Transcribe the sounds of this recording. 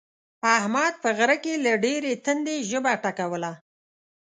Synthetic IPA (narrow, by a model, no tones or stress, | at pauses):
ahmɑd̪̚pəɣɾəkelaɖeɾet̪ənd̪eʒəbaʈakawəla